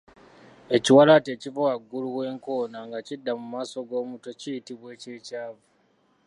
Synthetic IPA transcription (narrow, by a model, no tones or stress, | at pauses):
e̞ciwalate̞ːcivowaɡːuluwe̞ːŋko̞ːnaŋɡacidːamumaːso̞ɡo̞ːmuto̞cijitiβwe̞ːcecaːvu